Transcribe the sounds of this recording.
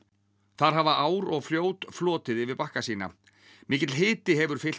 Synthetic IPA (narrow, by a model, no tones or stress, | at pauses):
θaɾ̥ɦavaʔaːwɾɔɣfljoːwt̪flɔːt̪ɪðɪvɪðpahkasiːna̰ | mɪːcɪt̪lɦɪːt̪ɪɦɛvʏɾ̥fɪl